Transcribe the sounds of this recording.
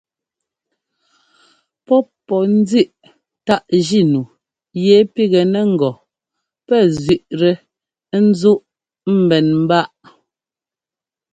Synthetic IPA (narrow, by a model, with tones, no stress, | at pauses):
pɔ˦pːɔ˨n̩˦d͡zi˦ʔ | ta˦˨ʔʒi˦nu˨ | jɛ˨˦pi˦ɣɛ˨nɛ˨ŋ̩˨ɡɔ˨ | pɛ˦˨zɥi˨ʔɾɛ˨˦ | n̩˦zu˦ʔ | m̩˦˨bɛ˨nm̩˦ba˦˨ʔ